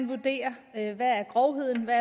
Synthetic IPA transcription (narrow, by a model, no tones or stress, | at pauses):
nʋud̥e̝̰ːɐøʋææɐɡ̥ʁɒʊɦe̝ð̞̰ˠn̩ʋæɐ